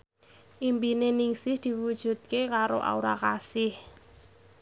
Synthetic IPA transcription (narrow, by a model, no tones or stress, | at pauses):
ʔimpineniŋsɪhd̪̥i̤wud̥ʒ̥ṳt̪̚kekaɾoʔa̰uɾakasɪh